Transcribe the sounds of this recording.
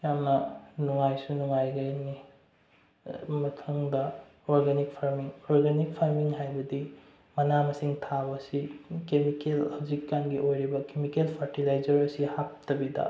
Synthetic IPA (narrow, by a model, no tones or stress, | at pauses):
jamnɐnuŋajsunuŋajɡɐjni | mɐtʰɐŋdɐ | oɾɡenik̚pʰaɾmiŋoɾɡenik̚pʰaɾmiŋɦajbɐdi | mɐnamɐsiŋtʰabɐsikemikelɐbzikːanɡiʔojɾibɐkemikelpʰɐɾtilajd͡ʒɐɾɐsihap̚tɐbidɐ̰